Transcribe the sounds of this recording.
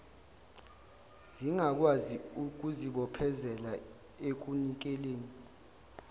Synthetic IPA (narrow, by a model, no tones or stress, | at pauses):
z̥iŋak̬waziuk̬uziɓɔpʰɛzɛla | ek̬unik̬ɛleːni